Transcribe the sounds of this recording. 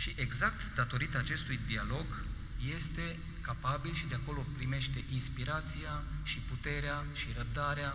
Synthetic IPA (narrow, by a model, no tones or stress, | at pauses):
ʃiʔe̞ɡzak̚t̪d̪at̪o̞ɾit̪aːt͡ʃe̞st̪ujd̪ialo̞ɡ | je̞st̪e̞ | kapabilʃid̪eako̞lo̞pɾime̞ʃt̪e̞ʔinspiɾat̪siaʃiput̪e̞ɾeaʃiɾəb̚d̪aɾea